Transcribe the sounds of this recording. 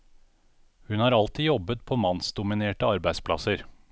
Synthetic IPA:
hʉnɑːɾɑlt̪iːjɔbət̪̚pʰoːmɑnsd̪ʊmɪneːʈəɑɾbæɪspʰlɑ̰səɾ

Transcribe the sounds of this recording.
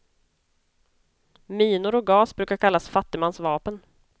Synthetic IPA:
miːnʊɾɔk̚ɡɑːsbɾʉ̟ːkaɾkʰalːasfat̪ːɪmansvɑːpən

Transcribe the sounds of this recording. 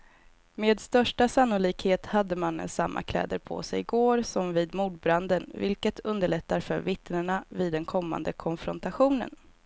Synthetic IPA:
meːd̪st̪œʂʈasanːʊliːkheːt̪had̪ːəmanə̰nsa̰mːʔa̰kʰlɛ̰ːd̪əɾpʰɔ̰sɛ̰jɪɡoːɾsɔmviːd̪muːɖ̚bɾand̪ənvɪlkət̪ʰɵnd̪əɭɛt̪ːaɾfœɾvɪt̪nəɳaviːd̪ːɛnkʰɔmːa̰nd̪əkʰɔnfɾɔnt̪aɧuːnə̰n

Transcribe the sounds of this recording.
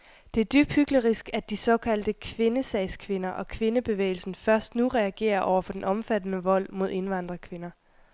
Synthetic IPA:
d̥e̝æɐd̥yb̥hyɡ̥ləʁisɡ̥æd̥isɒ̽kʰæl̰d̥əkʰʋe̝nəsɛɪskʰʋe̝nɐʔɒ̽kʰʋe̝nəb̥e̝ʋḛːɪl̩sn̩fɶɐsd̥nuʁɛæɡ̥e̝̰ːɐʔɒʊɐfɒ̽d̥enʔɒ̽mfæd̥ənəʋɒ̽l̰mo̝ð̞̰ˠe̝nʋɑ̈n̰d̥ʁɐkʰʋe̝nɐ

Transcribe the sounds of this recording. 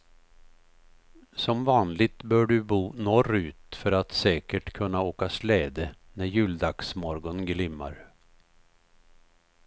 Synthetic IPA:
sɔmvɑːnlɪt̪bœːɖɵbuːnɔrʉ̟ːt̪fœɾat̪sɛːkəʈkʰɵnːaoːkaslɛːd̪ə | næɾjʉ̟ːld̪aksmɔɾɡɔnɡlɪmːa̰ɾ

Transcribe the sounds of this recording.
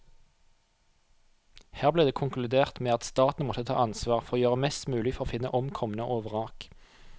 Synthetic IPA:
hæːʁbleːd̪eːkʰʊŋklʉd̪eːʁt̪meːɑt̪st̪ɑːt̪n̩mɔt̪ət̪ʰɑ̰ːʔɑnsʋɑːʁfɔʁoːjøːʁəmɛst̪mʉːlɪfɔʁoːfɪnə̰ʔɔmkʰɔmənəʔoːʋəʁɑːk

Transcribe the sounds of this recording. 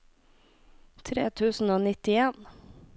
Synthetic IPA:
t̪ʰɾḛːt̪ʰʉːsn̩oːnɪt̪ɪeːn

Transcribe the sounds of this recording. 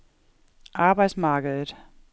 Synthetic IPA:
ʔɑ̈ːb̥ɑ̈ɪd̥smɑ̈ːɡ̥əðˠəd̥

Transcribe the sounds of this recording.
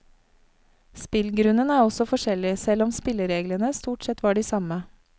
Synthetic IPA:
spɪlɡɾʉnənæːɔsɔfɔʃɛlɪsɛlɔmspɪləɾeːɡlənəst̪uːʈsɛt̪ʋɑːɖiːsɑmə

